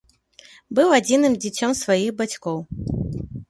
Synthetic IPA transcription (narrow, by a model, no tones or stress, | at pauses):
bɨwad͡zʲinɨmd͡zʲit͡sʲɔmsvajiɣbat͡sʲkɔw